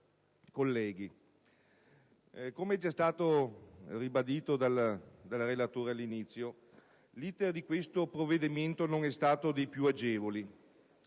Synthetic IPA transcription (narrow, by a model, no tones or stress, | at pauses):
kolːɛːɡi | komeɛd͡ʒast̪aːt̪oribad̪iːt̪od̪ald̪alrelat̪oːɾealːinit̪sːjo | liːt̪erd̪ikwest̪opɾovːed̪iment̪onoŋɛst̪aːt̪od̪ejpjuad͡ʒeːvoli